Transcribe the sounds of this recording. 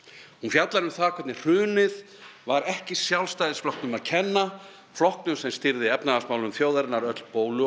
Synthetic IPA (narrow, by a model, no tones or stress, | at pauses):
hunfjat̪laɾʏmθaːkʰɛt̪nɪr̥ʏːnɪð | vaɾɛhcɪsjawlst̪ajðɪsflɔhk̪nʏmaðcʰɛnːa | flɔhknʏmsɛmst̪ɪɾðɪɛpnaðasmawlnʏmθjoːwðaɾɪnaɾœt̪l̥poːwlʏ